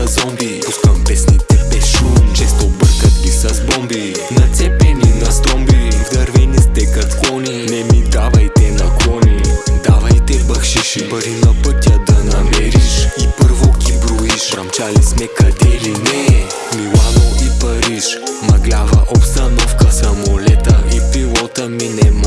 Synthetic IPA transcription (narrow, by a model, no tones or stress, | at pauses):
ɐzɔmbipuskɐmpɛsnit̪ɛbɛsʃut͡ʃɛst̪obəɾkɐt̪̚kʲisɐzbɔmbi | nɐt̪sɛpɛninɐst̪ɔmbivd̪ɐɾvɛnist̪ɛkɐt̪klˠɔninɛmid̪avɐjt̪ɛnɐklˠɔnid̪avɐjt̪ɛbɐxʃiʃipɐɾinɐpɤt̪jəd̪ɐnɐmɛɾiʃipɤɾvoɡʲibɾoiʃɾɐmt͡ʃalismɛkɐd̪ɛlinɛ | milˠanoipɐɾiʃmɐɡlʲavɐʔopst̪ɐnɔfkəsɐmolɛt̪əipilˠɔt̪əminɛma